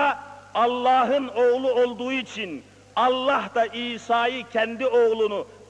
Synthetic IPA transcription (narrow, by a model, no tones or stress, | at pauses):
ɑlˠːɑːɦɯnoʁlˠuolˠd̪uʁuit͡ʃʰin | ɑlˠːɑɦd̪ɑʔiːsɑːjɯcʰænd̪ioʁlˠunu